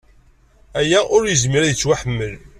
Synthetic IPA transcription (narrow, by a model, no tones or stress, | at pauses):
æjæʔʊɾjəzmiɾæðət͡sːwaħəmːəl